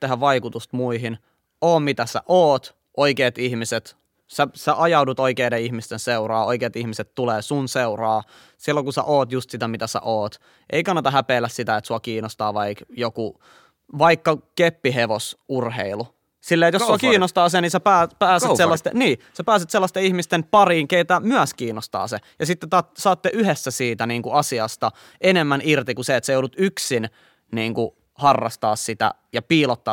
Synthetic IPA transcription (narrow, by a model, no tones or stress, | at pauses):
t̪eɦæʋʋɑikut̪ust̪muiɦin | oːmmit̪æsæ̰ʔoːt̪ | ʔoikeːt̪ihmiset̪ | sæsæʔɑjɑudut̪oikeːdeihmist̪enseurɑːoikeːt̪ihmiset̪t̪uleːsunseurɑː | silːoŋkusæ̰ʔoːt̪just̪sit̪æmit̪æsæ̰ʔoːt̪ | ʔeikɑnːɑt̪ɑɦæpeːlːæssit̪æet̪suɑkiːnost̪ɑːʋɑikjoku | ʋɑikːɑkepːiɦeʋosurhḛilu | silːeːet̪jossuɑkiːnost̪ɑːsenisepæːpæːseeselːɑst̪eniːsepæːset̪selːɑst̪eihmist̪enpɑriːŋkeit̪ːæmyæskiːnːost̪ɑ̰ːsejɑsit̪ːet̪ɑt̪sɑːt̪ːeʔyhesːæsiːt̪æniːŋkuɑsiɑst̪ɑ | enemːænirt̪ikuseet̪sejoldut̪yksin | niːŋku | hɑrːɑ̰st̪ɑ̰ːssit̪æ̰jɑpiːlot̪ːɑː